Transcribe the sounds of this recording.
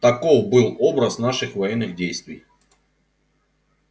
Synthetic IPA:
t̪ɐkovbɨlˠo̞bɾəsnaʂɨxvɐjɛnːɨɣdʲejst̪vʲɪj

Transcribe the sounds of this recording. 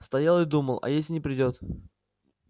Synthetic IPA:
st̪ɐjalˠɨd̪uməlˠɐ̰jesʲɪnʲɪpɾʲɪdʲot̪

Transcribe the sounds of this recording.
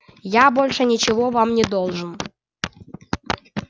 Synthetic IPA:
jabo̞lʲʂɨnʲɪt͡ɕɪvovamnʲɪd̪olˠʐɨn

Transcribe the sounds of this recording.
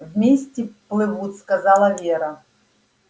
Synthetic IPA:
vmʲesʲtʲɪplˠɨvut̪ʲskazalˠɐvʲeɾɐ

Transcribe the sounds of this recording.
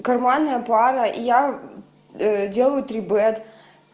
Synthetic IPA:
kɐrmanːɐjɐpaɾɐʔija | dʲe̞lˠəjʊt̪ɾʲɪbɛt̪

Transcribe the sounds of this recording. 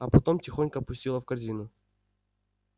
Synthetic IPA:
ɐpɐt̪o̞mtʲɪxo̞nʲkəɐpʊsʲtʲilˠəfkɐrzʲinʊ

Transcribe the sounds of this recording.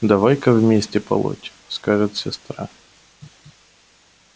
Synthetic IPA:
d̪ɐvajkɐvmʲesʲtʲɪpɐ̰lˠo̰tʲ | skaʐɨt̪sʲɪst̪ɾa̰

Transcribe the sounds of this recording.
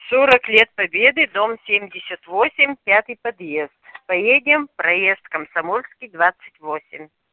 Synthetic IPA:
soɾəklʲe̞t̪̚pɐbʲed̪ɨd̪omsʲemʲdʲɪsʲət̪vosʲɪmʲpʲat̪ɨjpɐd̪jest̪pɐjedʲɪmpɾɐjest̪kəmsɐmolʲskʲijd̪vat̪sɨ̥tʲvosʲɪ̰mʲ

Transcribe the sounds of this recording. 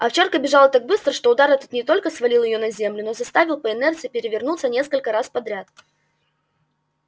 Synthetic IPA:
ɐft͡ɕarkəbʲɪʐalˠət̪aɡ̚bɨst̪ɾəʂt̪o̞ʊd̪aɾɛt̪ot̪nʲɪt̪o̞lʲkəsvɐlʲilˠjɪjonɐzʲe̞mlʲʊnozɐst̪avʲɪlˠpəɪnɛrt̪sɨɪpʲɪɾʲɪvʲɪrnut̪sənʲe̞skəlʲkəɾaspɐd̪ɾʲat̪

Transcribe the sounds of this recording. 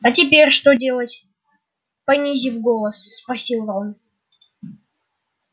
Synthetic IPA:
ɐtʲɪpʲeɾʲʂt̪odʲe̞lˠətʲ | pɐnʲizʲivɡolˠəsːpɾɐsʲilˠvam

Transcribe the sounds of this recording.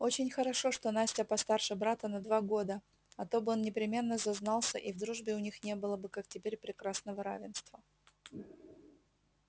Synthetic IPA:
o̞t͡ɕɪnʲxəɾɐʂo̞ʂt̪o̞nasʲtʲəpɐst̪arʂɨbɾat̪ənɐd̪vaɡo̞d̪ə | ɐt̪o̞bɨo̞nnʲɪpɾʲɪmʲe̞nːəzɐznɑlˠsʲəʔivd̪ɾuʐbʲɪʊnʲixnʲe̞bɨlˠəbɨkak̚tʲɪpʲeɾʲpɾʲɪkɾasnəvəɾavʲɪnst̪və

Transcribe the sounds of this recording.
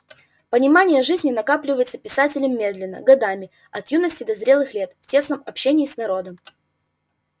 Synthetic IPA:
pənʲɪmanʲɪjəʐɨzʲnʲɪnɐkaplʲɪvəjɪt̪səpʲɪsatʲɪlʲɪmːʲe̞d̪lʲɪnːə̰ɡɐd̪amʲɪ | ɐt̪junəsʲtʲɪd̪əzɾʲe̞lˠɨxlʲe̞t̪ftʲe̞snəmɐpɕenʲɪːsnɐɾo̞d̪əm

